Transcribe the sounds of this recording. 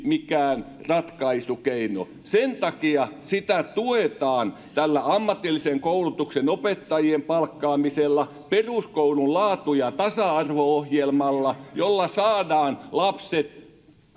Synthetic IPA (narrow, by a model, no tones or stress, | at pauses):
mikæːnrɑt̪kɑisukeino̰ | sent̪ɑkiɑsit̪æt̪uet̪ɑːn | t̪ælːæɑmːɑt̪ːilːiseŋkoulut̪uksenopet̪ːɑjiempɑlkːɑːmiselːɑ | peruskoulullɑːt̪ujɑt̪ɑsɑɑrʋoohjelmɑlːɑjolːɑsɑːdɑːnlɑpset̪